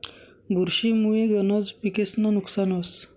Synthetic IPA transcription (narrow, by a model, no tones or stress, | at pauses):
bʱuɾɕimujeɡənɔd͡zpikesnanuksanɔs